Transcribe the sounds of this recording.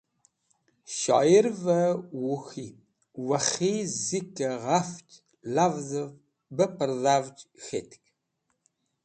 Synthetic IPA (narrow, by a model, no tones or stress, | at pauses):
ʃa̰jɪrvɐwʊxiː | wɐχiːzikʰʼɐʁɐft͡ʃʼ | ɮavzɨv | bɐpʰɨrðaːvt͡ʃʼxḛtk